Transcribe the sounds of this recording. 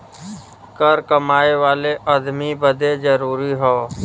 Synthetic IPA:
kəɾkəmaːeʋaːleʔəd̪mibəd̪ʱed͡ʒəɾuːɾiɦoː

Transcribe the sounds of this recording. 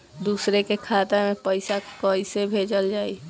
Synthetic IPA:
d̪uːsɾekekʰaːt̪emẽpəɪsakəisebʱeːd͡ʒəld͡ʒaːi

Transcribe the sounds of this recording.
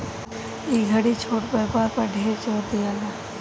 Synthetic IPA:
iɡʱəɽit͡ʃʰoːʈpəɾpaːɾpəɾɖʱeːɾt͡ʃoːɾd̪ijaːlaː

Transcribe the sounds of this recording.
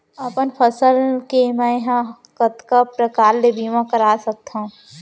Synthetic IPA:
əpənpʰəsəlkemɛ̃ɦã | kət̪kapɾəkaːɾlebʱimãkəɾaːsək̚t̪ã

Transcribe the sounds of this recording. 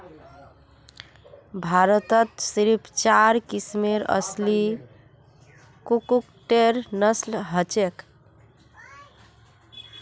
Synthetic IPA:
bʱaɾət̪ət̪siɾipʰt͡ʃaɾkismeɾə̰sli | kukukʈeɾnəslɦət͡ʃek

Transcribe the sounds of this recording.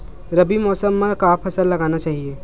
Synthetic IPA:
ɾɐbimɔːsəmːẽkaːpʰɐsəlːɐɡaːnat͡ʃaːɦieː

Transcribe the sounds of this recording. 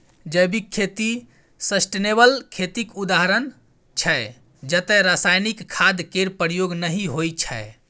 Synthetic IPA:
d͡ʒəbikʰːet̪i | səsʈenebəlkʰet̪ikud̪aɦɾən | t͡ʃʰɛ | d͡ʒət̪ɛɾasajnikkʰːad̪keɾpəɾjoɡnəɦiɦojt͡ʃʰə̰e

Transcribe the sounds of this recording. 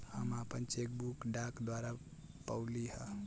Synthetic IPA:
həmapənt͡ʃek̚bukɖakd̪waɾa | pəwliɦə

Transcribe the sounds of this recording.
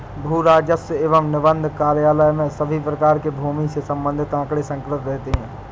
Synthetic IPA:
bʱuːɾaːd͡ʒəsəeːʋəmnɪʋə̃nd̪ʱkaːɾjaːləjmẽsɐbʱipɾɐkaːɾkebʱuːmisesɐ̃mbə̃nd̪ʱɪt̪ãːkɽesɐ̃ŋkɾɪt̪ɾɛɦt̪eɦɛ̃ː

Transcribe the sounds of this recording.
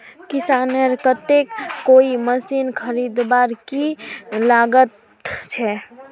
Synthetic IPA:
kisaneɾkət̪ekːoiməsinkʰəɾid̪baɾkilaɡət̪ | t͡ʃʰɛ

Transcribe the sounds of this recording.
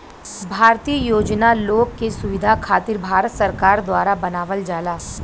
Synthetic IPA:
bʱaːɾt̪iːəjoːd͡ʒnaloːɡkesʊʋɪd̪ʱakʰaːt̪ɪɾbʱaːɾt̪sɐɾkaːɾd̪waːɾabɐnaːʋəld͡ʒaːlaː

